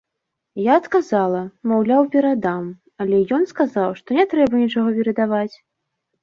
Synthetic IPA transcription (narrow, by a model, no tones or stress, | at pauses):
jaːt̪kazalˠɐmawlʲawpʲɛɾad̪am | alʲɛjɔnskazawʂt̪ɔnʲɛt̪ɾɛbɐnʲit͡ʂaɣɔpʲɛɾɐd̪avat͡sʲ